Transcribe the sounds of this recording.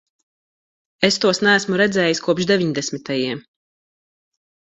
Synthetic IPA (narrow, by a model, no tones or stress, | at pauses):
est̪uɔsnæːsmuɾɛd̪zɛːjiskuɔpʃd̪eviɲd̪ɛsmit̪ajiɛm